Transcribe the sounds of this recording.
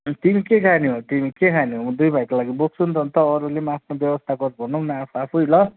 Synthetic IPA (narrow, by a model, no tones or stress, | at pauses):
t̪imikekʰaniɦot̪imikekʰaniɦomʌd̪ujbʱajkolaɡibok̚sund̪ʱʌnt̪ʌːɾulemʌapʰnobjʌbʌst̪ʰaɡʌrbʱʌnʌnaapʰuapʰujlʌ